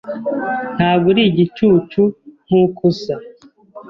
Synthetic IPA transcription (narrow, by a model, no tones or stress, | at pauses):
n̥haːɡuɾiːɟit͡ʃuːt͡ʃun̥ukʰusa